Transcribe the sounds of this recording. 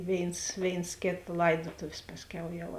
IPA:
ˈʋʲeːɪns ˈʋʲeːɪns ˈkʲeːt ˈlˠɐɪdoːtoːwsʲ ˈpɑːsʲˌkʲɛʊ jɛʊ

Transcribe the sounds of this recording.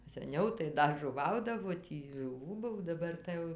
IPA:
sɐˈnʲɛʊ tɐɪ ˈdɐ ʒʊˈʋɐʊdɐʋoː ˈtʲiː ʒʊˈʋuː ˈbʊw dɐˈbɐr tɐɪ ˈjɛʊ

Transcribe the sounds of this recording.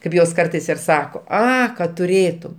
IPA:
kɐɪp ˈjoːs ˈkɐrtɐɪs ɪr ˈsɑːkoː ˈɐ kɐt tʊˈrʲeːtʊm

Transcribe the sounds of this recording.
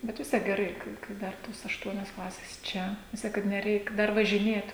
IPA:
ˈbʲɛt ʋʲɪs ˈtʲiɛk ɡʲɛˈrɐɪ kɐɪ kɐɪ ˈdɐr toːs ɐʃˈtuɔnʲoːs ˈklˠɑːsʲeːs ˈt͡ʃʲɛ ʋʲɪs ˈtʲiɛk kɐt nʲɛˈrʲɛɪk ˈdɐr ʋɐʒʲɪˈnʲeːt

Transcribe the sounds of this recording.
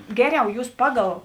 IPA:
ˈɡʲæːˌrʲɛʊ ˈjuːs ˈpɑːˌɡɐlˠ

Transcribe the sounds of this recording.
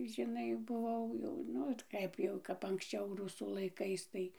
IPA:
ʒʲɪˈnɐɪ bʊˈʋɐʊ jɛʊ ˈnʊ t ˈkɐɪp jɛʊ kɐp ɐŋksʲˈt͡ʃʲɛʊ ˈrʊsuː lˠɐɪˈkɐɪs tɐɪ

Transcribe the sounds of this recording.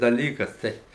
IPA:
dɐˈlʲiːkɐs ˈtɐɪ

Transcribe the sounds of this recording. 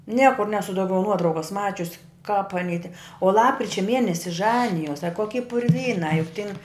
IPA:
ˈnʲiɛkʊr ˈnʲæːsʊ ˈdɐʊɡʲɛʊ ˈnuɔtrɐʊkɐs ˈmɑːt͡ʃʲʊs kɐp ɐˈnʲiː tʲɛ oː ˈlˠɑːpkrʲɪt͡ʃʲɛ ˈmʲiɛnʲɛsʲɪ ˈʒɑːnʲɪjoːs ɐ ˈkoːkʲɪ pʊrʲˈʋʲiːnɑː jʊk tʲɪn

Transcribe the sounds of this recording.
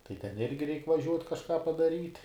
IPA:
tɐɪ tʲɛn ˈɪrʲɡʲɪ rʲɛɪkʲ ʋɐˈʒʲuɔtʲ kɐʃˈkɑː pɐdɐˈrʲiːt

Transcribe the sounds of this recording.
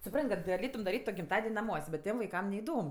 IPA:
sʊˈprɐnʲtʲ kɐt ɡɐˈlʲeːtʊm dɐˈrʲiːtʲ ɡʲɪmˈtɑːdʲɛnʲ nɐˈmuɔsʲ bʲɛt ˈtʲiɛm ʋɐɪˈkɐm nʲɛɪˈdoːm

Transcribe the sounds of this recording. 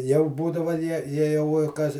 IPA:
jɛʊ ˈbuːdɐʋɐ ˈjiɛ ˈjiɛ jɛʊ ɪ ˈkɐs

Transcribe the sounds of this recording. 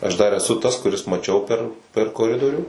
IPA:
ˈɐʃ ˈdɐr ɛˈsʊ ˈtɐs kʊˈrʲɪs mɐˈt͡ʃʲɛʊ pʲɛr pʲɛr koːˈrʲɪdoːrʲuː

